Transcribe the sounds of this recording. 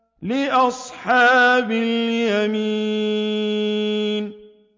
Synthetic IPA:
lɪʔɑsˤħɑːbɪljamiː | n

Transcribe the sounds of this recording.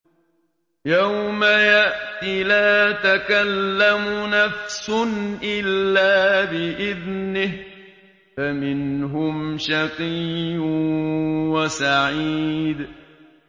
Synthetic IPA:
jawmajaʔt̪ilaːt̪akalːamʊnafsʊnʔɪlːaːbɪʔɪðnɪh | famɪnɦʊmʃɑqiːʊ | wasaʕiːd̪

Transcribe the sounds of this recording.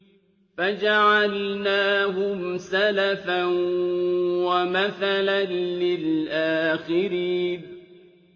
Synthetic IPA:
fad͡ʒaʕalnaːɦʊmsalafan | wamaθalanːɪlʔaːxɪɾiːn

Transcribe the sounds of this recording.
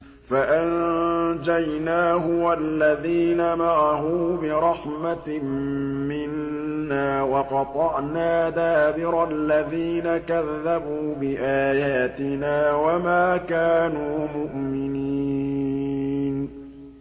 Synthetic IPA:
faʔand͡ʒajnaːhʊwalːaðiːnamaʕaɦuːbɪɾˤɑħmammɪnː | aːwɑqɑt̪ˤɑʔnaːd̪aːʔbɪɾˤalːaðiːnakaðːabuːbɪʔaːjaːt̪ɪnaːwamaːkaːnuːmʊʔmɪniː | n

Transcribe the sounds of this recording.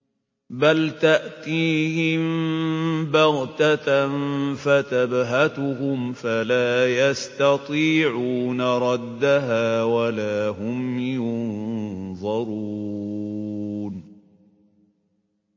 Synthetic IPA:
balt̪aʔt̪iːhɪm | bɑɣt̪anfat̪abɦat̪ʊhʊmfalaːjast̪ɑt̪ˤiːʕuːnaɾˤɑd̪ːaɦaːwalaːhʊmjʊn | ðˤɑɾˤuː | n

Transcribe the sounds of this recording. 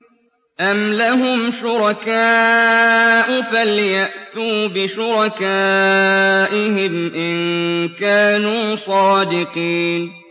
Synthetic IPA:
ʔamlaɦʊmʃʊɾɑkaː | ʔʊfaljaʔt̪uːbɪʃʊɾˤɑkaː | ʔɪhɪmʔɪnkaːnuːsˤɑːd̪ɪqiːn

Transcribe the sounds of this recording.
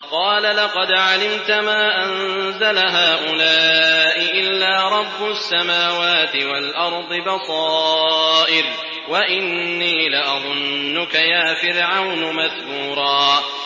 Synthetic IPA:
qɑːlalɑqɑd̪ʕalɪmt̪amaːʔanzalaɦaːʔʊlaːʔɪʔɪlːaːɾˤɑbːʊsːamaːwaːt̪ɪwalʔɑɾˤd̪ˤɨbɑsˤɑːʔɪl | waʔɪnːiːlɪʔɑðˤʊnːʊkajaːfɪɾʕawnʊmaðbuːɾˤɑː

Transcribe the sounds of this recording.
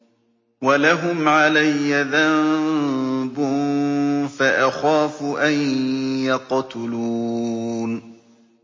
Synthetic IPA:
walaɦʊmʕalajːaðam | bʊ | faʔaxaːfʊʔajjɑqt̪ʊluːn

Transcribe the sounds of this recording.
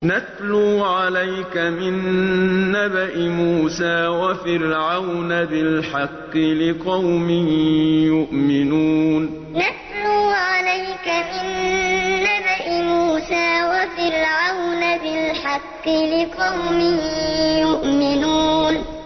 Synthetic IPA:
naθluːʕalajkamɪnː | abaʔɪmuːsaːwafɪɾʕawnabɪlħɑqːɪlɪqɑwmɪhɪjʊʔmɪnuːn | naθluːʕalajkamɪnː | abaʔɪmuːsaːwafɪɾʕawnabɪlħɑqːɪlɪqɑwmɪhɪjʊʔmɪnuːn

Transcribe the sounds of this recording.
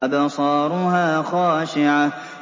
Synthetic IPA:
abasˤɑːɾˤʊɦaːxaːʃɪʕa

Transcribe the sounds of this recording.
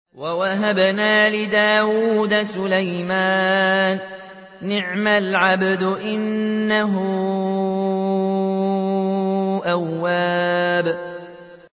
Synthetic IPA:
wawaɦabnaːlɪd̪aːwuːd̪asʊlajmaːnː | ɪʕmalʕabd̪ʔɪnːaɦʊ | ʔawːaːb

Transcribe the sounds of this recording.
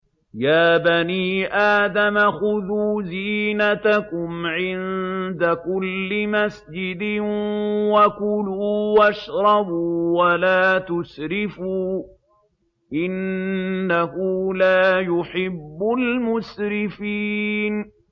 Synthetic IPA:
jaːbaniːʔaːd̪amaxʊðuːziːnat̪akʊmʕɪnd̪akʊlːɪmasd͡ʒɪd̪ɪ | wakʊluːwaʃɾˤɑbuwalaːt̪ʊsɾɪfuː | ʔɪnː | aɦulaːjʊħɪbːʊlmʊsɾɪfiːn

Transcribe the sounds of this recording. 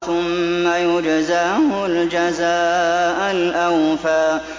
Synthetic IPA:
θʊmːajʊd͡ʒazaːhʊld͡ʒazaːʔanʔawfaː

